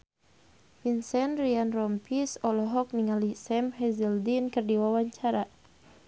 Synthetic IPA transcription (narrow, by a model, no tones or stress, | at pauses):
finsɛnrianrɔmpisɔlɔɦɔk̚niŋalisɛmhɛzɛldinkɨrdiwawaɲt͡ʃaɾa